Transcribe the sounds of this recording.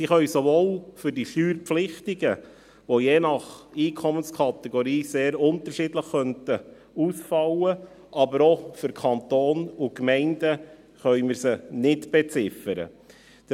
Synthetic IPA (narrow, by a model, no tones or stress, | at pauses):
siχœɥsovoːlfʏɾdiʃyːɾpflɪχtiɡə | ʋojeːnɑχiːkʰɔmənskʰɑt̪ɛɡoɾiːseːɾʊnt̪əɾʃiːdləχːœntə | usfɑwə | ʔɑbəɾofʏɾkʰɑnt̪oːnʊkmɛɪndə | χœʏməɾsənɪtb̥ɛt͡sɪfəɾə̰